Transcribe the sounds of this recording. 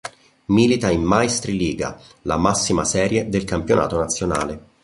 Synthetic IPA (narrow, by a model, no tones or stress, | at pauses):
miːlit̪aimmajst̪ɾiliːɡa̰ | la̰masːimasɛːɾjed̪elkampjonʔa̰ːt̪onat̪sːjona̰ːle